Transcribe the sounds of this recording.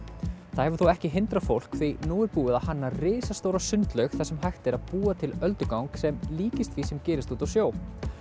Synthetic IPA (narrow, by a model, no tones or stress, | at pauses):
θaðhɛvʏɾ̥θuwɛhcɪɦɪnt̪ɾafowl̥kfinuːɪɾpuːɪðahanːarɪːsast̪oːwɾasʏnt̪lœɥxθɛsːɛmɦajxt̪ɪɾaðpuːat̪ʰɪlœlt̪ʏkawŋksɛmliːcɪst̪visɛmcɛːɾɪst̪uːt̪awsjoːw